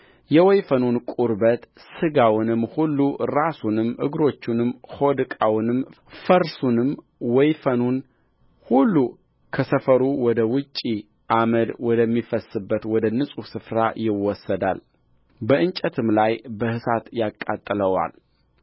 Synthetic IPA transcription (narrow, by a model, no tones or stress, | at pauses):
jɛwɔjfənunkʼuɾbət̪ | sɨɡawnɨmhulːuɾasunɨmʔɨɡɾo̞t͡ʃːunɨmːho̞d̪kʼawnɨm | fəɾsunɨm | wɔjfənun | hulːu | kʰəsəfəɾuwɔd̪əwʊt͡ʃʼːi | ʔaməd̪wɔd̪əmːifəsɨbːət̪wɔd̪ənɨsʼusɨfɾajɪwɔsːəd̪a̰l | bəʔɨnt͡ʃʼət̪ʰɨmlajbəhɨsat̪jakʼːa̰t̪ʼːələwa̰l